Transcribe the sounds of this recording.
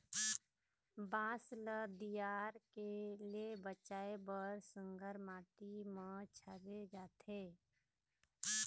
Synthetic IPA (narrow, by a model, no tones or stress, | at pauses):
bãːsləd̪ijaːɾkelebət͡ʃaːebəɾsə̃ŋɡʱəɾmaːʈimə̃t͡ʃʰəɾed͡ʒaːt̪ʰeː